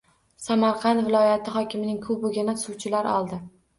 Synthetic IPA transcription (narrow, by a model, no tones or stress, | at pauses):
samaɾqʰɑnt̪vɪlˠɒjat̪ʰɪχɒkʲʰɪmɪnɪŋkʰʊbʊɡʲɪnasuwt͡ʃʰɪlaɾɒ̰lˠd̪ɪ